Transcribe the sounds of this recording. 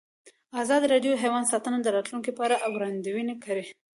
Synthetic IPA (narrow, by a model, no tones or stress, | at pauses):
azɑd̪iɾɑɖjoɦewɑnd̪sɑt̪ənad̪əɾɑt̪luŋkipɑɾaʔawɡɾɑnd̪iwinekaɾi